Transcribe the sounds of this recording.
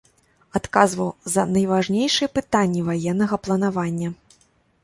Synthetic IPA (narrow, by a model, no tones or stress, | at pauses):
at̪kazvɐwzɐnɐjvaʐnʲejʂɨjɐpɨt̪anʲːivajɛnːɐɣɐplˠɐnavanʲːɐ